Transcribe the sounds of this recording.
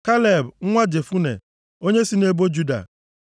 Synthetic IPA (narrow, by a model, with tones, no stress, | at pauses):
ka˦le˨bŋ̩˦ŋʷa˦d͡ʒe˨fu˦nḛ˨ | o˦ɲe˦si˦ne˦bo˦d͡ʒu˦da̰˨